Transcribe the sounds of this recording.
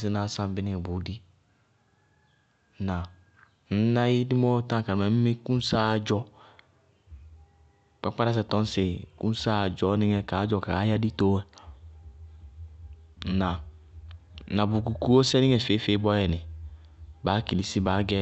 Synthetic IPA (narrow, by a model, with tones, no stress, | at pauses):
si˦na˨˦sã˦m˨bɪ˦nɪ˦ɛ˨bu˨˦di˦ | nã˨ | n̩˦na˦ji˦di˦mɔ˦tã˦˨ka˨mɛ˨m̩˦me˦kũ˦n˦sa˦˨d͡ʒɔ˦ | k͡pa˦k͡pa˦ɾa˦s̬ɛ˨tɔ˦n˦se˨ku˦n˦sa˦˨d͡ʒɔ˨˦nɪ˦ŋɛ˦ka˨˦d͡ʒɔ˦˨ka˨˦ja˦di˦to˦ɛ˦˨ | na˨˦ | na˨bu˨ku˨ku˦o˦sɛ˦nɪ̃˦ŋɛ˨fe˦fe˦bɔ˦jɛ˨nɪ˨ | baː˨˦ki˨li˨˦si˦ba˨˦ɡɛ˦